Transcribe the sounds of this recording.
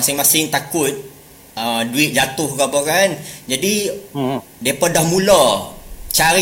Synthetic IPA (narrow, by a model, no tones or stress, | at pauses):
asɪŋmasɪŋt̪akʊt̪̚ | əduɪt̪̚d͡ʒat̪ʊhkapɔkand͡ʒadi | diapədahmulɔ | t͡ʃaɾi